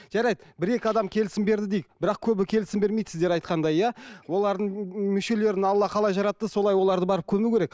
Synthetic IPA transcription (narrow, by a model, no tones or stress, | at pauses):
ʒ̥ɑɾɑjd̪bɪɾe̞kʲɪɑd̪ɑmkʲʰe̞lɪsɪmbe̞ɾd̪ɪd̪ejbɪɾɑqkʲʰɵbɪkʲʰe̞lɪsɪmbeɾme̞jd̪sɪzd̪e̞ɾɑjt̪̚qɑnd̪ɑjːɑwo̞lˠɑɾd̪əɴmʏʃe̞le̞ɾɪnɑlˠːɑqʰɑlˠɑjʒɑɾɑt̪ːəso̞lˠɑjwo̞lˠɑɾd̪əbɑɾəp̚kʲʰɵmukʲeɾe̞k̚